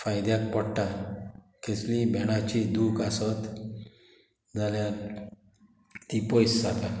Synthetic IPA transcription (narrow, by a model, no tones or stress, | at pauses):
fajd̪jak̚pɔɽʈa | keslibɛɽ̃at͡ɕid̪uːkasət̪ | d͡zalja | t̪ipojsd͡zat̪a